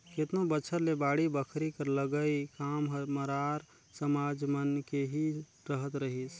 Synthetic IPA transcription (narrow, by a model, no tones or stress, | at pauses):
ket̪nõbət͡ʃʰəɾlebaːɽibəkʰɾikəɾləɡəikaːmɦəməɾaːɾ | səmaːd͡ʒmənkeɦi | ɾəɦət̪ɾəɦis